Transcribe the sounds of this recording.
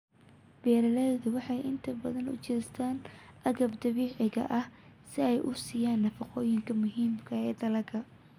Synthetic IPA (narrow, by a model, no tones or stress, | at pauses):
bɛːɾɐlɛðʊwɑħɑjʔɪnt̪ʰɐbɐðɐnʊ̰t͡ʃɛːst̪ʰaːnʔɐɣɐbd̪ɐβiːʕɪɣɐ̰ʔɐhsɪɛjʔʊsɪjaːnːɐfɐqɔːjɪŋkʰɐmʊɦiːmkʰɐɛːd̪ɐlɐkʰɐ